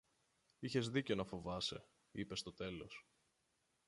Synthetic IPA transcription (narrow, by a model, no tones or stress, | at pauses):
içe̞zðice̞o̞nɐfo̞vɐse̞̰ | ipe̞st̪o̞t̪e̞lo̞s